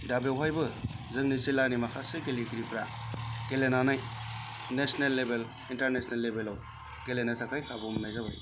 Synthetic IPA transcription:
dabewɦajbɯ | zɯŋnisilanimakʰaseɡelikɾipɾaɡ̥elenanaj | nesnelːebel | intaɾnesnelːebelaw | ɡ̥elenatʰakʰajkʰabɔmnajzaba̰j

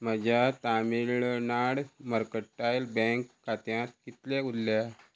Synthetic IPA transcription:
məd͡ʑjat̪amilɭnaɽməɾkəʈːajlbɛ̃ŋkːat̪jãt̪̚kit̪leulːja

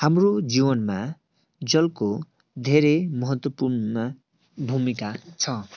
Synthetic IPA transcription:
hamrod͡ziwʌnma | d͡zʌlko | d̪ʱeɾemʌɦʌt̪wʌpurnʌ | bʱumikat͡sʰʌ

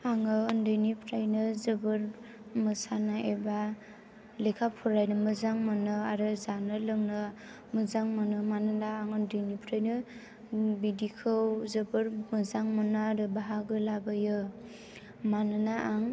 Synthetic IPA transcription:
aŋɯːndɯjnipʰɾajnɯzɯbɯɾ | mɯsanaʔeba | lekʰapʰɔɾajnɯmɯzaŋmɯnɯaɾɯzanɯlɯŋnɯ | mɯzaŋmɯnɯmanɯnaːŋɯndɯjnipʰɾajnɯ | bidikʰɯwzɯbɯɾmɯzaŋmɯnaaɾɯbaɦaɡɯlabajɯ | manɯnaʔaŋ

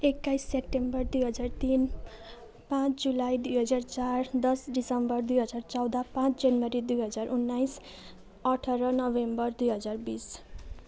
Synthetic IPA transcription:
ekːajsːep̚ʈembʌrd̪ujɦʌd͡zart̪in | pãt͡sd͡zulajd̪ujɦʌd͡zart͡sard̪ʌsɖisʌmbʌrd̪ujɦʌd͡zart͡sʌwd̪apãt͡sd͡zʌnwʌɾid̪ujɦʌd͡zarʔunːajs | ʌʈʰʌɾʌnʌbembʌrd̪ujɦʌd͡zarbis

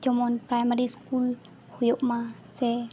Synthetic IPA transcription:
d͡ʒɔmɔnpɾajmaɾiskul | hojɔʔmasɛ

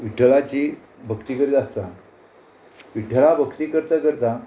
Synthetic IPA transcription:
ʋiʈʰəlat͡ɕi | bʱəkt̪ikəɾiːt̪ast̪a | ʋiʈʰəlabʱəkt̪iːkəɾt̪akəɾt̪a

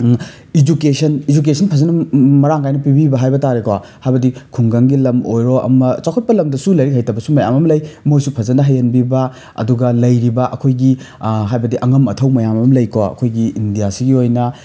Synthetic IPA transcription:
id͡ʒukesɐnid͡ʒuk̬esʰɐnpʰɐzɐnɐmɐɾaŋkajnɐpibibɐɦajbɐtaɾekwahajbɐdikʰuŋɡɐŋɡilɐmojɾoʔɐ̰mɐt͡ʃawkʰɐt̚pɐlɐmdɐsulɐjɾikhajtɐbɐsumɐja̰mɐmɐlɐjmojsupʰɐzɐnɐɦɐjɐnbibɐ | ɐ̰duɡɐlɐjɾibɐʔɐkʰojɡiɦajbɐdiʔɐŋɐmɐtʰɐwmɐjamɐmmlɐjkoɐ̰kʰojɡiindijasiɡiojnɐ

